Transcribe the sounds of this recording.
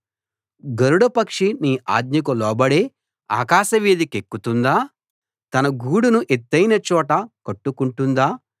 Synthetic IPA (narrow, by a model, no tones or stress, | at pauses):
ɡɐɾuɽɐpɐkʂiniːa̰ːd̪ɲɐk̬ulɔːbɐɽeː | a̰ːkaːʃɐʋiːd̪ikekːut̪und̪aː | t̪ɐnɐɡuːɽunuʔet̪ːɐjnɐt͡ʃɔːʈɐkɐʈːukuɳʈund̪aː